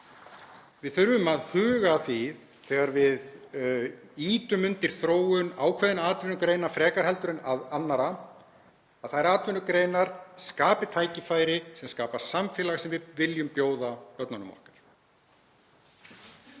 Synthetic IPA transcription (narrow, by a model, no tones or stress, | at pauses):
vɪðθʏɾvʏmaðhʏːɣaθið | θɛːɣaɾvɪð | iːt̪ʏmʏnt̪ɪɾ̥θɾoːwʏnaːwkʰvɛðɪnaːt̪vʏnʏkɾeːjnafɾɛːkaɾ̥hɛlt̪ʏɾɪnaðanːaɾa | aðθaɾaːt̪vʏnʏkɾejnaɾ̥skaːpɪt̪ʰaːjcɪfaːjɾɪsɛmskaːpḁsamfɪlaɣsɛmvɪvɪljʏmpjoːwðakœp̪nanʏ̰mɔ̰hkḁɾ̥